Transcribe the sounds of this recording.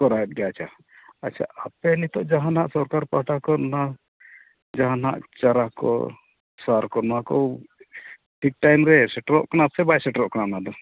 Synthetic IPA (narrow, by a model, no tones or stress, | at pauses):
kɔɾajɛt̪̚ɡɛat͡ʃʰa | at͡ʃʰa̰apɛnit̪ɔʔd͡ʒaɦanɦaʔsɔɾkaɾpaʈakɔna | d͡ʒaɦanɦa̰ʔt͡ʃaɾakɔ̰ | saɾkɔnakɔ | ʈʰik̚ʈajmɾɛsɛʈɾɔʔkɔnasɛbajsɛʈɾɔʔkɔnanad̪ɔ